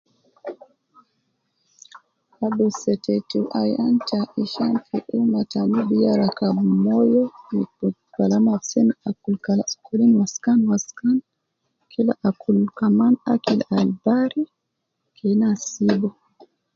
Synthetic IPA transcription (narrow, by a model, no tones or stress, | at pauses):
abusɛtɛtuʔajantaʔiʃanfuʔumatanibijaɾakabumɔjɔnipu | kalamasinakulkalaskulinwaskanwaskan | kʰila̰ʔakʰulkamana̰kilalbaɾi | kʰenasibɔ